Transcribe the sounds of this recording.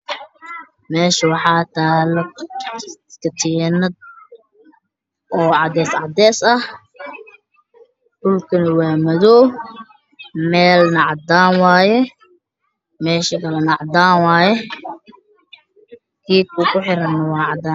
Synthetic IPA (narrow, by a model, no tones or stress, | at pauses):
mɛːʃɐwɑħɑːt̪ʰaːlɐ | kʰɐt̪ʰiːnɐd̪̚ | ʔɔːʕɑd̪ɛːsʕɑd̪ɛːsɐh | hʊlkʰɐnɐwaːmɐðɔː | mɛːlnɐʕɑd̪aːnwaːjɛ | mɛːʃɐkʰɐlɐnɑʕd̪aːnwaːjɛ | kʰiːkʰukʰʊħɪɾɐnːɐwɑːʕɑd̪aːn